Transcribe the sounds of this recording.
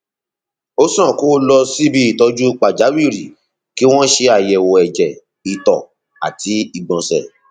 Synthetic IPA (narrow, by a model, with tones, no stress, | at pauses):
o˦sã˦˨ko˦lɔ˧si˦bi˦i˦˨tɔ˧˦d͡ʒu˦k͡pa˨d͡ʒa˨˦wi˦˨ɾi˨ | ki˦w̃ɔ̃˦ʃe˧a˨jɛ˨wɔ˧ɛ˨d͡ʒɛ˨ | i˨tɔ˨ | a˨ti˨˦i˧˨ɡ͡bɔ̃˨sɛ˨